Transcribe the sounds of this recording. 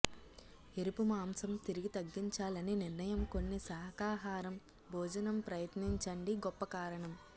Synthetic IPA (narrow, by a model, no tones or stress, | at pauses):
eɾipumaːmsɐmt̪iɾiɡit̪ɐɡːiɲt͡ʃaːlɐniniɾnɐjɐmko̞nːisɐɦɐkaːɦaːɾɐm | bʱɔːd͡ʒɐnɐmpɾɐjɐt̪niɲt͡ʃɐɳɖiɡɔpːɐkaːɾɐɳɐm